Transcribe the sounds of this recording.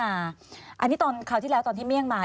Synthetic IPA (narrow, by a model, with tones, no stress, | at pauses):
aː˧ʔa˧nːi˦˥t̪ɔː˧nkʰa˧˩t̪ʰiː˥˩lɛː˦˥t̪ɔː˧nʰiː˥˩mi˥˩əŋmaː˧